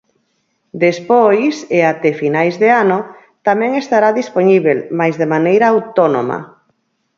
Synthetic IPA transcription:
d̪espojseat̪efinajzðeano | t̪amɛ̃ŋest̪aɾaðisponiβelmajzðemanejɾaːwt̪ono̰ma̰

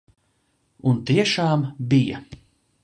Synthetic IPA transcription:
unt̪iɛʃaːmbijɐ̰

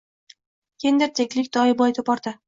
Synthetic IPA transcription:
kʲʰend̪ɪɾt̪ʰekʲlɪkʲd̪ɒjbɒjt̪ʰopɒɾd̪ɪ

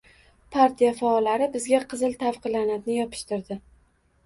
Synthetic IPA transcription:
pʰaɾt̪ʰijafaɒlːaɾɪbɪzɡʲaqʰɨzɪlt̪ʰafqʰɨlanad̪nɪjɒpʰɪ̥ʃt̪ɪɾd̪ɪ

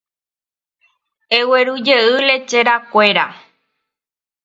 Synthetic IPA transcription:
eweɾud͡ʒeɨle̞t͡ʃeɾakʷe̞ɾa

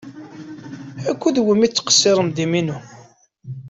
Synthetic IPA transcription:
ækʷːuðwəmit͡sːqə̥sːɪɾˤəmd̪iminu

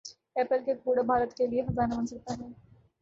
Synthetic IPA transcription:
ɛːpəlkekpuːɽabʱaːɾət̪keliexɐzaːnabɐnsɐk̚t̪aɦɛː

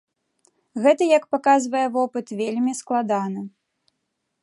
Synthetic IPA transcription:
ɣɛt̪ɐjɐkpakazvɐjɛvɔpɨt̪vʲelʲmʲisklˠad̪anɨ

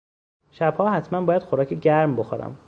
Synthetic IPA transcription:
ʃæb̥hɒːhæt̪ʰmænbɒːjæd̪xoɾɒːcʰeɟæɾmboxoɾæ̰m

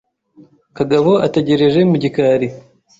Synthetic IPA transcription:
kaɡaβo̞ateɟe̞ɾe̞ʒe̞muɟikaːɾi

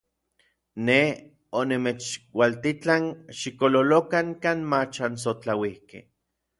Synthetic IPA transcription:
ne | onemet͡ʃwalt̪it͡ɬaŋʃikololokaŋkaːnmat͡ʃans̬ot͡ɬawihkḛ

